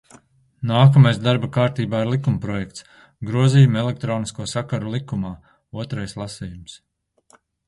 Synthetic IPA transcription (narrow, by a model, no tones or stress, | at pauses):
naːkɐmajsd̪aɾbakaːɾt̪iːbaːiɾlˠikumpɾɔjɛkt̪s | ɡɾuɔziːjumɛlˠɛk̚t̪ɾɔːniskuɔsakaɾulˠikumaː | uɔt̪ɾajslˠasiːjums